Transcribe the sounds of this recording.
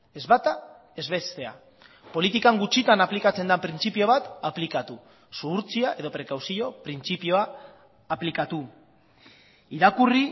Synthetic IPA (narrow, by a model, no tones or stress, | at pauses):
e̞zβat̪a | e̞zβest̪e̞a̰ | po̞lit̪ikaŋɡut͡ʃit̪anaplikat͡se̞nd̪apɾint͡sipio̞β̞at̪aplikat̪u | suuɾt͡siaʔe̞ðo̞pɾe̞kawsio̞pɾint͡sipio̞aː | plikat̪u | iɾakuri